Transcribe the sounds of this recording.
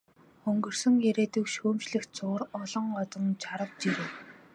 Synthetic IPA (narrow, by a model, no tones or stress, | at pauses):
ɵŋɡɵ̆r̥sɵ̆ŋeɾeːt̪ɵ̆kʃuːmt͡ɕɮɘ̆xt͡sʊːrɔɮɞ̆ŋɔt͡s̪ɞ̆nt͡ɕʰaɾə̆k̚t͡ɕiɾeː